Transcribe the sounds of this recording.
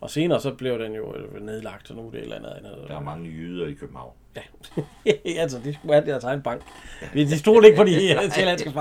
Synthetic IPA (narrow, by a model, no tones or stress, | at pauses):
ʔɒ̽se̝ːnɐːsɒ̽b̥le̝ʊd̥enjo̝ne̝ðˠlɑ̈ɡ̥̚d̥ɒnud̥e̝d̥læ̰nðˠendɑɐmɑ̈ŋəjyð̞ˠɐikʰøb̥m̩hɑ̈ʊ̰njæ | ælsɒd̥isɡ̥uæd̥eɐt͡sʰɑ̈ɪnb̥ɑ̈ŋ̰ɡ̥ʋed̥isd̥o̝ɐ̰l̥e̝ɡ̥̚pʰɒdielæn̰sɡ̥əfɑ